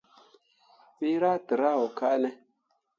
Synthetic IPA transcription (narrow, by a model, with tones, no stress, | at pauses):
pi˦ɾa˦tə˨ɾa˦wo˨ka˦ʔne˦